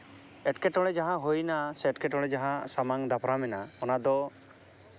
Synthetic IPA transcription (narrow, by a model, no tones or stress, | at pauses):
ɛʈkɛʈɔɽɛd͡ʒaɦãɦojnasɛʈkɛʈɔɽɛd͡ʒaɦãsamaŋd̪apʰɾamɛnaɔnad̪ɔ